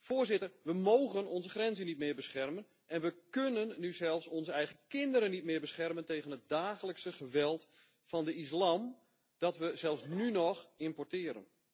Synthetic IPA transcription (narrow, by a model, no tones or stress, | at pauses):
foːrzɪtərʋəmoːɣənɔnzəχrɛnzənit̚mɪːbəsχɛrmən | ʔɛnʋəkønənːyzɛlˠfsɔnzəɛjɣəkɪndəɾənit̚mɪːɹbəsχɛrmənteːɣənɦət̚daːχələksəχəʋɛlˠt | fɑndəis̬lam | d̥ɔtʋəzɛlˠfsnynɔxɪmpɔɹtɪːəɾə̰n